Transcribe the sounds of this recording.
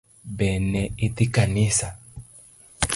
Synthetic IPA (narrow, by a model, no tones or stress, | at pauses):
beːnːɛɪt̪ikaniːsa